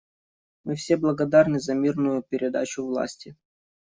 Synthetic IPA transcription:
mɨfsʲeblˠɐɡɐd̪arnɨzɐmʲirnʊjʊpʲɪɾʲɪd̪a̰t͡ɕʊvlˠa̰sʲtʲɪ

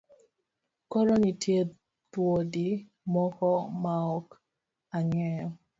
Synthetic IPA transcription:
kɔɾɔnitje | t̪wodi | mɔkɔmaɔk | aɲɛɔ

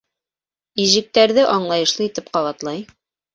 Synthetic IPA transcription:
iʒɘ̆k̚t̪æɾðɘʔɑɴlˠɑjɤ̆ʃlˠɤit̪ɘpqɑβɑt̪lˠɑj

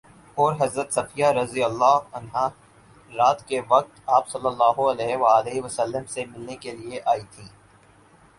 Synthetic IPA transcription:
ɔːɾɦɐzɾət̪sɐfijaɾɐzijəlːaːɦɐnɦa | ɾaːt̪keʋɐq̚t̪aːpsɐlːəlːaːɦoɐlɛːʋaːleːɦʋəsəlːəmsemɪlnekelieʔaːit̪ʰĩː

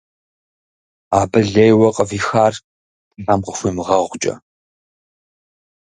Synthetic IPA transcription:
aːbɨɮejwɐqʼəviːxaːr | dʰɨɬamqʼəxʷimɨʁɐʁʷt͡ʃʼɐ̰

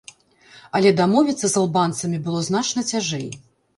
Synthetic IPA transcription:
ɐlʲɛd̪amɔvʲit̪sːɐzalˠbant̪sɐmʲibɨlˠɔznat͡ʂnɐt͡sʲaʐɛj

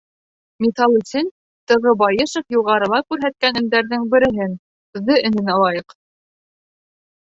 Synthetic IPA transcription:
mʲit̪ɑlˠusʲin | t̪ɤ̆ʁɤbɑjɤʃŏfjŭʁɑɾɤ̆lˠɑkʉɾɦæt̪̚kænɘ̆md̪æɾðɘŋbɘ̆ɾɘ̆ɦɘn̆ | ðɤʔɘ̆nɘ̆nɑlˠɑjɤq

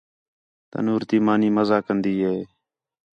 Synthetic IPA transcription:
t̪ə̰nuːɾt̪iːmaːniːməzaːkənd̪iːɦeː

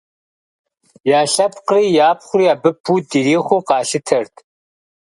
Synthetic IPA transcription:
jaːɬɐpʰqriːjaːpχʷʊriːaːbɨpʰːuːdiɾiːχʷʊqɑːɬɨtʰɐrtʰ

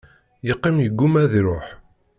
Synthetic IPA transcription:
jəqːimjəɡːumæðiɾˤoħ

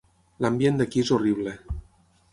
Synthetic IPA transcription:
lambjend̪akiezoriβ̞le

